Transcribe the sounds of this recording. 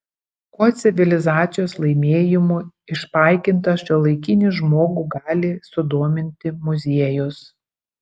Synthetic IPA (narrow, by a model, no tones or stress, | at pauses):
koːt̪sʲɪʋʲɪlʲɪzɑːt̪sʲɪjoːslˠɐɪmʲeːjɪmuːɪʃpɑˑɪkʲɪnt̪ɐʃʲolˠɐɪkʲɪnʲɪʒmoːɡuɡɑːlʲɪsʊd̪oːmʲɪnʲt̪ʲɪmʊzʲeɛjʊs